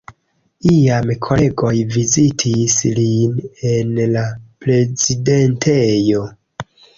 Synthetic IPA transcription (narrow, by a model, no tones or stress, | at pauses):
iamkʰo̞le̞ɡo̞jvizitʰisline̞nlapɾe̞zide̞ntʰejo̞